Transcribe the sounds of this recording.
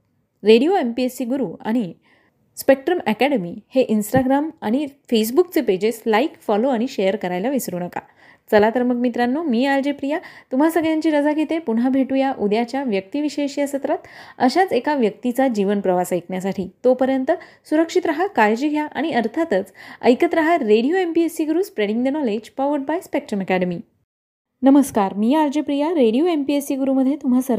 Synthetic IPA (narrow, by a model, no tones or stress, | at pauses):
ɾeɽioempiesiːɡuɾuːa̰ɽ̃i | spek̚ʈɾəmækɛɽemiheʔinsʈaɡɾamaɽ̃ifes̬bukt͡seped͡ʑeslaikfɔloaɽ̃iɕejəɾkəɾajlaʋisɾuːnəka̰ | t͡səlat̪əɾməkmit̪ɾanːumiːald͡ʑepɾijat̪um̤asəɡɭjãɲt͡ɕiːɾəd͡zaɡʱet̪epuɽɦabʱeʈujaʔud̪jat͡ɕjaʋjək̚t̪iʋiɕeɕjəsət̪ɾat̪əɕat͡sekaʋjək̚t̪it͡sad͡ʑiʋənpɾəʋasajkɳjasaʈʰiːt̪opəɾjənt̪ə | suɾəkʂit̪ɾaɦakajd͡ʑiɡʱjaʔa̰ɽ̃iəɾt̪ʰat̪ət͡sə̰jkət̪ɾaɦaɾeɽijoempiesiɡuɾuːspɾeɽiŋɡd̪enɔled͡ʑpɔʋəɾɖ̚bajspek̚ʈɾəməkæɽəmiː | nəməskaɾmiːaɾd͡ʑepɾijaɾeɽijoempiesiːɡuɾuːməd̪ʱjet̪umɦasəɾ